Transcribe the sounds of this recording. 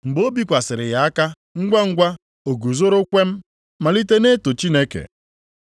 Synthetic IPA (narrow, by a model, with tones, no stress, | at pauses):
ŋ͡m̩˨ɡ͡bo˦bi˦kʷa˨sɪ˨ɾɪ˨ja˨a˦ka˦ | ŋ̩˦ɡʷa˦ŋ̩˦ɡʷa˦ | o˨ɡu˨zo˦ɾo˦kʷe˦m̩˦ | ma˨li˦te˦ne˦to˨t͡ʃi˦ne˦kḛ˨